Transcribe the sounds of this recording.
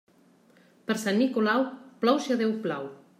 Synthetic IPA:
pəɾsanːikolawplɔwʃaðewpla̰w

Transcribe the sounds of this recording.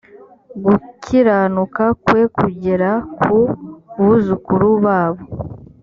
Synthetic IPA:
ɡukʰiɾanukakwe̞kuɟeɾakʰuβuzukuɾuβaːβo

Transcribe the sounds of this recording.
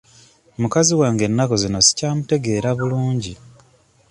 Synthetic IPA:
mukaziwaːŋɡe̞nːako̞zino̞si̥caːmute̞ɡe̞ːɾaβuluːɲɟi

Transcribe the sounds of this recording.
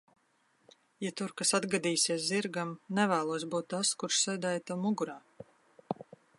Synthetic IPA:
jat̪uɾkasad̪ɡad̪iːsʲiɛs̬ziɾɡamnɛvæːlˠuɔsbuːt̪ːaskuɾʃsɛjd̪aːjat̪awmuɡuɾaː

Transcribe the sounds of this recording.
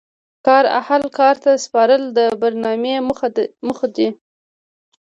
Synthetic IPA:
kɑɾa̰halkɑɾt̪aspɑɾəld̪əbaɾnɑmeməxad̪i

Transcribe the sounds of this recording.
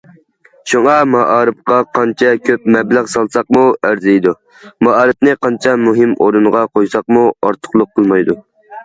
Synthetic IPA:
ʃuŋɑmɑʔɑːɾɨp̚qɑqʰɑnt͡ʃʰɛkʲʰøp̚mɛblæʁsɑlˠsɑq̚muæɾzɪjd̪u | mɑɑːɾɨp̚nɨqʰɑnt͡ʃʰɛmuɦɪmoɾunʁɑqʰojsɑq̚muɑɾt̪ʰə̥χlˠʊqʰːəlˠmɑjd̪u

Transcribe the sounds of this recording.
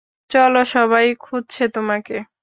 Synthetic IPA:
t͡ɕɔloʃɔbʱajkʰud̪t͡ɕʰet̪omake

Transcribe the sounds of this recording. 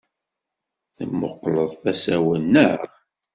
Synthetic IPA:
θə̰mːə̰qːləðˤθæsæwənːəʁ

